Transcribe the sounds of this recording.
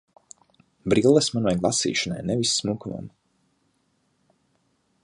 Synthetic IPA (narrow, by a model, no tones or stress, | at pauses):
bɾilˠəsmanajɡlˠasḭːʃɔna̰jnɛvisːmukuma̰m